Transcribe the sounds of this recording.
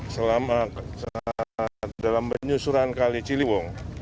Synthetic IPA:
səlama | dalambəɲusuɾankalit͡ʃiliwɔŋ

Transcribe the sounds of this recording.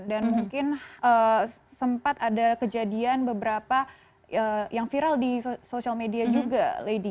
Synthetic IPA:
danmuŋkɪnə | səmpat̪adakəd͡ʒadianbəbəɾapa | əjaŋfiɾaldisosialmediad͡ʒuɡaledi

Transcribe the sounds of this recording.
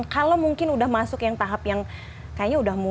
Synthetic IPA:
nkalowmuŋkɪnudahmasʊkjaŋt̪aɦapjaŋ | kajaɲaudahmu

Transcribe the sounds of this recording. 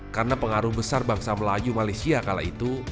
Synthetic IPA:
karənapəŋaɾʊhbəsarbaŋsaməlajumalajsiakala̰it̪u

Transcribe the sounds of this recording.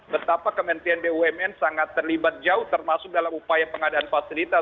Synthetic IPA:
bət̪apakəmɛnt̪ianbeuɛmɛnsaŋat̪ːərlibat̪̚d͡ʒaʊht̪ərmasʊk̚dalamupajapəŋadaʔanfasilit̪a

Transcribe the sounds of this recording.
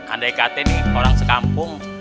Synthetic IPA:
a̰ndaikat̪ɛninoɾaŋsəkampʊŋ

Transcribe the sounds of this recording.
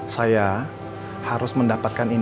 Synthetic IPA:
saja | haɾʊsməndapat̪̚kanin

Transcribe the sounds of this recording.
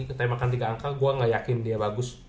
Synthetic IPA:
kət̪ambakant̪iɡaːŋkaɡuaŋajakɪndiabaɡʊs

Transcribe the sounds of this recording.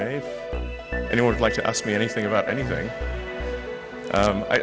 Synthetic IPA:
eɪ̥ | ʔɛ̰ñiwʌ̃nwɨdlaɪk̚tʰɨʔæ̰sk̚miɛñiθɪ̃ŋɨbaʊɾʔɛ̰niθɪ̰̃ŋ | ʔʌ̃ma̰ɪʔ

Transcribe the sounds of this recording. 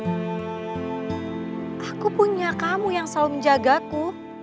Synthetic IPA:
ʔakupuɲakamujaŋsaluməɲd͡ʒaɡaku

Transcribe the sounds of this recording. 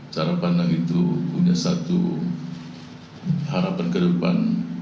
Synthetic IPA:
t͡ʃaɾapanaŋit̪upuɲasat̪ṵ | haɾapankədəpa̰n

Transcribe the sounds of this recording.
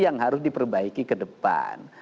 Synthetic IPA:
jaŋɦaɾʊs̬dipərbaikikədəpa̰n

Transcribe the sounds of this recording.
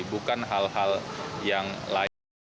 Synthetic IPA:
bukanɦalɦaljaŋla

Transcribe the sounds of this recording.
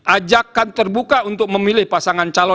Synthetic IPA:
ʔad͡ʒakːant̪ərbukaunt̪ʊk̚məmilɪhpasaŋant͡ʃalɔ

